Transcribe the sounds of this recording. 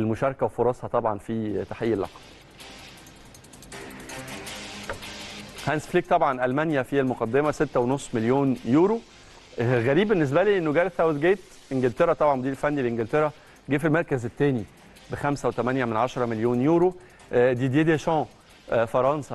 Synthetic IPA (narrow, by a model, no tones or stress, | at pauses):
elmoʃɑɾˤkæwfoɾˤɑsˤhɑt̪ˤɑbʕɑnfit̪aħejːelʔɑ̰qɑ̥ | hænsfliːk̚t̪ˤɑbʕɑnʔælmænjæfielmoqɑd̪ːemæset̪ːæwenosˤːmeljoːnjuːɾo | ɣæɾiːbːenːes̬bæliːʔenːoɡæɾeθæwed̪ɡeːbt̪ | ʔenɡelt̪eɾæt̪ˤɑbʕɑnwod̪iːɾfænːilʔenɡelt̪eɾæ | ɡeːfilmɑɾˤkæzet̪ːæːni | bexæmsæwet̪æmænjæmenʕaʃɑɾˤɑmeljoːnjuːɾo | d̪iːd̪eːd̪eʃɑ̃ː | fɑɾˤɑnsæ